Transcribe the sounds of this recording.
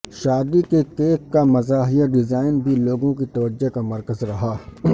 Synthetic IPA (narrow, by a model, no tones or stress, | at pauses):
ʃaːd̪ikekeːkːamɐzaːɦijaɖɪzaːɪnbʱiloːɡõkit̪ɐʋəd͡ʒːekamɐɾkəzɾɐɦaː